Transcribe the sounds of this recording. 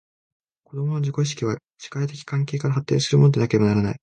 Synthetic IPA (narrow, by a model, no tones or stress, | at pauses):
ko̞d̪o̞mo̞no̞ʑiko̞ɕ̬i̥kʲiβ̞a | ɕi̥kait̪e̞kʲi̥kãŋke̞ːkaɾaɦat̪ːẽ̞sɨɾɯmo̞nod̪e̞nake̞ɾe̞banaɾana̰i